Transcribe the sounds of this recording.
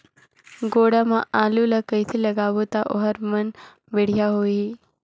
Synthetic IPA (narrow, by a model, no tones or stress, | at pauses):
ɡoːɽamãaːlulɐkəjt̪ʰilɐɡaːʋot̪aʔo̰ɦəɾmɐn | beɽ̤jaɦoːi